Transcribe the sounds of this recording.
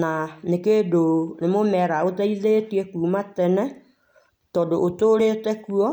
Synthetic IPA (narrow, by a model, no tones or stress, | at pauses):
nanekeːdonemomɛɾaotaiðetiekuːmatɛnɛ | tɔdoʔotoɾetɛkuɔ